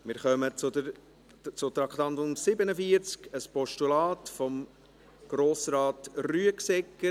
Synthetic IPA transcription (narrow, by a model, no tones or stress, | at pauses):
mɪːɾχœmət͡sʊd̪əɾ | t͡sʊt̪ɾɑkχt̪ɑnd̪ʊnsɪbənəfiəɾt͡skəspɔʃtulɑːtfɔm | ɡ̥ɾoːsɾɑːtryəksɛkːə